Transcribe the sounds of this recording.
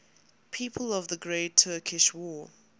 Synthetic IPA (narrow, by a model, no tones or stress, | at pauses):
pʰiːˑpʰəlɔvðəɡɹeɪtʰɜːˑkʰɪʃwɔː